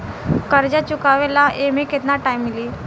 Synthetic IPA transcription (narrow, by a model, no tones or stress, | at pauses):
kəɾd͡ʑat͡ɕukaʋelaʔemiket̪naʈaimːiliː